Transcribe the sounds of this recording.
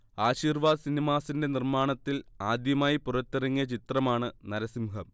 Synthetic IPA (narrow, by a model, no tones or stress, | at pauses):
aːɕiːrʋaːd̪ɨsinimaːsinde̞nirmaːɳɐt̪ːilaːd̪jɐmaːjipurɐt̪ːirɐŋːijɐt͡ɕit̪rɐmaːɳɨnɐɾɐsimhɐm